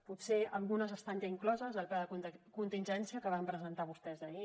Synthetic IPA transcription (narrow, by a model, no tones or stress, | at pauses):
put̪seəlˠɣunəzəst̪anʒaiŋklɔzəzəlˠpaðəkkunt̪inʲʒɛnsiəkəβ̞ampɾəzənt̪aβ̞ust̪ɛzəi